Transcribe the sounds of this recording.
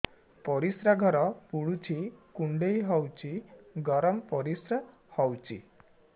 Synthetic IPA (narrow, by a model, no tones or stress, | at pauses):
pɔɾisɾaɡʱɔɾɔpuɽut͡ʃʰikuɳɖejɦɔwt͡ʃʰiɡɔɾɔmpɔɾisɾa | hɔwt͡ʃʰḭ